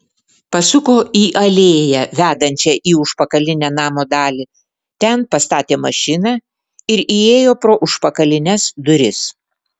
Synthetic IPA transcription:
pɐsʊkoːʔiːʔɐlʲeːjɛʋʲæːd̪ɐnʲt͡ʃʲɛʔiːʊʃpɐkɐlʲɪnʲænɑːmoːd̪ɑːlʲi | t̪ʲɛnpɐst̪ɑːt̪ʲeːmɐʃʲɪnɑː | ɪɾieːjoːpɾoːʔʊʃpɐkɐlʲɪnʲɛsd̪ʊɾʲɪs

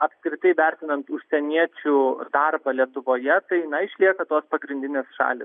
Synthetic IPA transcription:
ɐpskɾʲɪt̪ɐɪʋʲɛɾʲt̪ʲɪnɐnt̪ʊʃʲsʲɛnʲiɛt͡ʃʲʊd̪ɐrbɐlʲiɛt̪ʊʋoːjɛt̪ɐɪnɐɪʃʲlʲiɛkɐt̪oːspɐɡɾʲɪnʲd̪ʲɪnʲeːsʃɑ̰ːlʲɪs

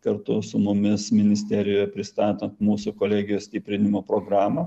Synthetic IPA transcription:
kɐɾt̪ʊsʊmʊmʲɪsmʲɪnʲɪsʲt̪ʲæɾʲɪjoːjɛpʲɾʲɪst̪ɑːt̪ɐnt̪muːsʊkoːlʲæːɡʲɪjoːsʲt̪ʲiːpʲɾʲɪnʲɪmoːpɾoːɡɾɑːmɐ

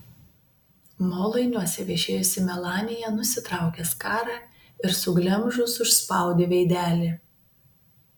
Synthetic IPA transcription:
moːlˠɐɪnʲuɔsʲɛʋʲɛʒʲeːjʊsʲɪmʲɛlˠɑːnʲɪjɛnʊsʲɪt̪ɾɑˑʊkʲɛskɑːɾɑː | ɪɾsʊɡlʲɛmʒʊsʊʃspɑˑʊd̪ʲeːʋʲɛɪd̪ʲæːlʲɪ

